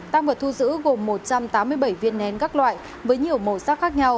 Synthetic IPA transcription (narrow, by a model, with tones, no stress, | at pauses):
t̪a˧ŋvaː˨˩t̪ʰu˧zɨ̰˧˥ɣo˨˩mːo˨˩t̚t͡ɕa˧mt̪aː˨˦mːɨ˧əjɓə˧˩jvi˧ənːɛ˧nkaː˦˥k̚lwa̰ː˧˨j | vəː˨˦jɲi˨˩əwmo˨˩saː˦˥k̚xaː˦˥k̚ɲa˧w